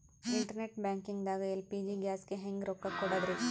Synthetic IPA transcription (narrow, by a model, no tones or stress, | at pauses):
iɳʈɐɾneʈbaːŋkiŋɡd̪aːɡɐjilpiːd͡ʒiɡjaːskeɦeŋɡɾokːɐkːuːɽad̪ɾe